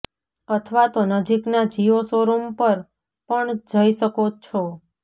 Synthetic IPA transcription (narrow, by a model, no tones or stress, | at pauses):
ət̪ʰʋat̪onəd͡ʒiknad͡ʒiosoɾompəɾ | pəɳd͡ʒəiʃəkot͡ʃʰo